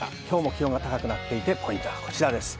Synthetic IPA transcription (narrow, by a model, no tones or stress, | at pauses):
a̰kʲo̞ːmo̞kʲiɾo̞ŋɡat̪akakɯ̟nat̪ːe̞it̪e̞pʰo̞ĩnt̪oβakʰo̞̥t͡ɕiɾad̪e̞sɨ̥